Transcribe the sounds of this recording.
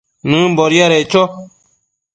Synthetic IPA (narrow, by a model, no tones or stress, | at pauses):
nɨ̃bɔɾjaɾɛt͡ʃɔ